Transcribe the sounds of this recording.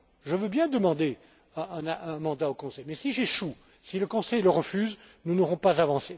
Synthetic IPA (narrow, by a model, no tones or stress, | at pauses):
ʒəvøbjɛ̃d̪əmɑ̃d̪e | ɛ̃naʔɛ̃mɑ̃d̪aokɔ̃sɛjmɛsiʒeʃu | siləkɔ̃sɛjləʁəfyznunoʁɔ̃pazavɑ̃se